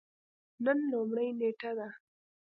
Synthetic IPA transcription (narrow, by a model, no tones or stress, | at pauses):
nənlomɽɐjneːʈad̪a